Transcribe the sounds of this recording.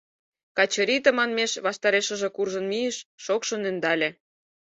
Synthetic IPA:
kɑt͡ɕɤ̆ɾʲit̪ə̆mɑnmeʃβɑʃt̪ɑɾeʃə̆ʒĕkurʒɤ̆nmiəʃːokʃɤ̆nĕnd̪ɑlʲĕ

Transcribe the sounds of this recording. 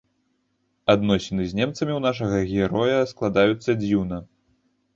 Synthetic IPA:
ad̪nɔsʲɛnɨzʲnʲɛmt̪sɐmʲiwn̪aʂ̬ɐɣɐɣʲɛɾɔjɐsklˠad̪ajut̪sːɐd͡zʲiwnɐ

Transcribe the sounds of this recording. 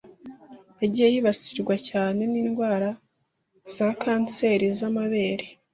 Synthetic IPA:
aɟijejiːβasiɾɡwacaːne̞niːnɡwaːɾa | z̥akʰaːnse̞ːɾizamaβe̞ːɾe

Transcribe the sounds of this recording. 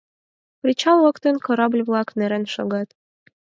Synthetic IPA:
pɾʲit͡ɕɑlˠɤ̆kt̪ə̆nkoɾɑblʲβlˠɑkneɾenʃoɣɑt̪

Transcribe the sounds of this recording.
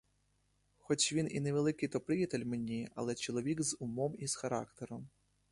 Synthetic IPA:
xɔt͡ʃʋʲinineʋelˠɪkɪjt̪ɔpɾɪjɐt̪elʲmenʲiɐ̰lˠɛt͡ʃɔlˠɔʋʲikzʊmɔmizxɐɾɑ̰kt̪eɾɔm

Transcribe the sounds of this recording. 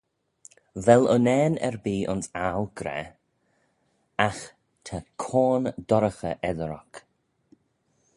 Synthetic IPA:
vɛlənɛːnɛ̰ɹbiːʔʊnsawɡ̥ɾɛ̰ | ax | t̪ʰakʰoːnd̪ɔɾəxəʔɛðəɾɔ̰k

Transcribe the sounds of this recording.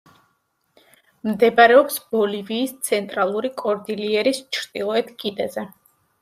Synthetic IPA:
md̪ɛbaɾɛɔpsb̥ɔliviːst̪sʰɛnt̪ʼɾalˠuɾikʼɔɾd̪iliɛɾist͡ʃʰɾd̪ʼilˠɔɛt̪ʰkʼid̪ɛzɛ

